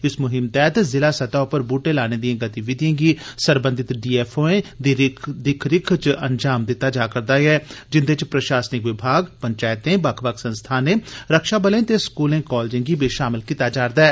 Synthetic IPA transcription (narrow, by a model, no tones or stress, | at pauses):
ɪsmʊɦɪmt̪ɛːt̪zɪlaːsɐt̪aʊpəɾbuːʈẽlaːned̪iẽːɡət̪iʋɪd̪ʱjẽːɡisəɾbə̃nd̪ɪt̪ɖiːɛːfʰoːẽːd̪ɪkʰɾɪkʰt͡ʃʔənd͡ʒaːmd̪ɪt̪ːad͡ʒaːkəɾd̪aɛːd͡ʒɪnd̪et͡ʃpɾəʃaːsnɪkʋɪbʱaːɡpəɲt͡ʃaːɪt̪ẽbɐkʰbəkʰsə̃nst̪ʰaːnẽːɾəkʃaːbəlẽːt̪eskuːlẽːkɔːld͡ʒẽŋɡibeːʃaːmɪlkit̪ːad͡ʒaːɾd̪aːɛː